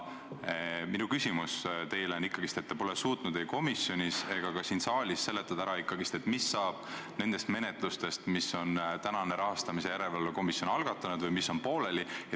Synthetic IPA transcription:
minukysimust̪e̞jleonikːˑɑɡ̥ist̪e̞t̪ːepo̞lesuːt̪nud̪̥e̞jko̞misːjo̞nʲise̞ɡ̥ɑkɑsiːnsɑːlʲisːe̞lːe̞t̪ːˑɑd̪æɾɑikːɑɡist̪e̞t̪ːˑmisːɑːb̥ne̞nd̪e̞st̪me̞ne̞t̪ˑlust̪e̞st̪misːo̞nt̪ænɑne̞ɾɑɦɑst̪ɑmise̞jæɾevelːeko̞misjo̞nɑlɡ̥ɑt̪ːˑɑnud̪̥vɨjmisːo̞npo̞ːle̞lie

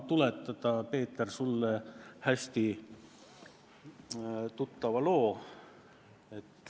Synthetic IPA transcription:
t̪ulet̪ˑːɑd̪ɑpe̞ːt̪ːˑersulːehæsʲt̪i | t̪ut̪ːɑvɑlo̞ː | et̪ː

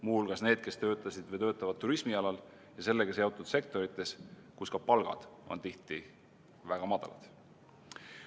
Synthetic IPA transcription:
muhulɡ̥ɑsne̞ːd̪̥ke̞st̪ø̞ːt̪ːˑɑsid̪̥vɤjt̪øːt̪ːˑɑvɑd̪̚t̪ːuɾismiɑlɑl | jɑse̞lːekesjeot̪ːˑud̪̥se̞k̚t̪o̞ɾit̪ːˑe̞skuskɑpɑlɡ̥ɑ̰d̪̥o̞̰nt̪iht̪i | væɡ̥ɑmɑd̪̥ɑ̰lɑ̰t̪

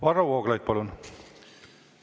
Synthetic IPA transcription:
vɑrɑwoːɡlɑjd̪̚pɑlun

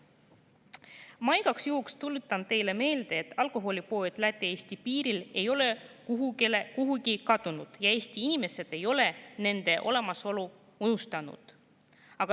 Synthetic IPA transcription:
mɑjɡ̥ɑksjuɦukst̪ulut̪ːˑɑnt̪e̞jle̞me̞ːld̪̥e̞ːt̪ːˑɑlkˑo̞ɦo̞lʲipo̞ed̪̥læt̪ːˑeeːsʲt̪ipiːɾile̞jo̞le̞kuɦuɡlekuɦuɡikɑd̪̥unud̪̥jɑe̞ːst̪iinime̞se̞d̪̥e̞jo̞le̞ne̞nd̪̥e̞ʔo̞̰le̞mɑso̞lu | unust̪ɑnṵd̪̥ | ɑɡ̥ɑ

